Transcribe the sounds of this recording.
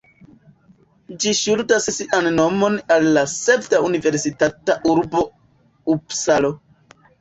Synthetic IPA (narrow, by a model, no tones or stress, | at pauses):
d͡ʒiʃultassiʔanːo̞mo̞nalːase̞btaunive̞ɾsitataʔuɾbo̞ | upsalo